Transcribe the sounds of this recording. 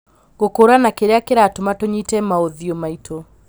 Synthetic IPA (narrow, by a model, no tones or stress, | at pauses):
ɣokoɾanakeɾeakeɾatomatoɲitɛmaoðiomaitʰo